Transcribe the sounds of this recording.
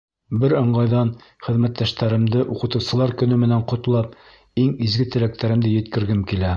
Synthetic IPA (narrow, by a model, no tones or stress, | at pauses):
bɘɾɤ̆ɴɢɑjðɑn | χɘ̆ðmæt̪ːæʃt̪æɾɘ̆md̪ɘʔuqɤ̆t̪ɤ̆wsɤ̆lˠɑɾkɵ̆nɵmɘ̆næɴqŏt̪lˠɑp̚ | iŋizɡɘt̪ɘ̆læk̚t̪æɾɘ̆md̪ɘjɵ̆t̪kɘ̆ɾɡɘmkilæ